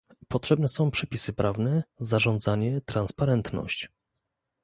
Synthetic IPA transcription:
pɔtʂɛbnɛsɔ̃w̃pʂɛpʲisɘpɾʔavnɛzaʐɔ̃nd̪zaɲɛt̪ɾanspaɾɛnt̪nɔ̰ɕt͡ɕ

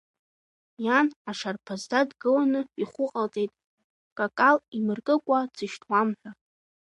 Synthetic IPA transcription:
janaʂarpʰazdadɡɨlanɨiχʷʊqʼaltʼejtʼ | kʼakʼalimɨrkʼɨkʷʼad͡zʰɨʃtʰwamħʷᶣa

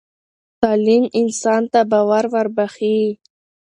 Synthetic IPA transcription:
t̪ɑliminsɑnt̪abɑwaɾvaɾbaχi

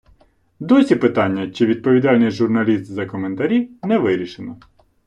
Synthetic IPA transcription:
d̪ɔsʲipɪt̪ɑnʲːɐt͡ʃɪʋʲid̪̚pɔʋʲid̪ɑlʲnɪjʲʒʊrnɐlʲist̪zɐkɔment̪ɐɾʲiwnɛʋɪɾʲiʃɪnɔ

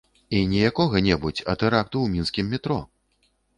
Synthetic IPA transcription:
inʲijakɔɣɐnʲɛbut͡sʲɐ̰t̪ɛɾak̚t̪uwmʲinskʲimːʲit̪ɾɔ

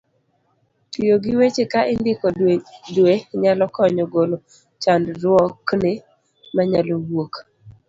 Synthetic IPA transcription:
tijoɡɪwet͡ʃekaʔɪndɪkɔdweɲalɔkɔɲɔɡolo | t͡ʃandɾwɔknɪ | maɲalowok

